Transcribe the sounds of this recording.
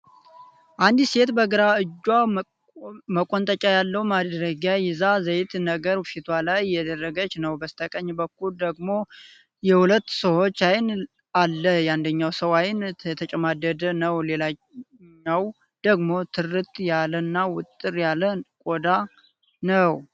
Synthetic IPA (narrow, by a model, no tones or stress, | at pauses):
ʔand̪ise̞t̪bəɡɨɾaɨd͡ʒːwa | məkʼont̪ʼət͡ʃʼajalːəwmad̪ɾəɡajɪzazəjɪt̪nəɡəɾfit̪ʰwalajːɛd̪ərːəɡət͡ʃnəwbəst̪ʰəkʼəɲːbəkːuld̪əɡmo̞ | jɛhulət̪ːsəwo̞t͡ʃːajɪn | alːəjand̪əɲːawsəwajɪnɛt̪ʰət͡ʃʼəmad̪əd̪ənəwle̞la | ɲaw | d̪̥əɡmo̞t̪ʰɨrɨt̪ʼjalənːawʊt̪ʼːɨɾjaləkʼod̪a | nəw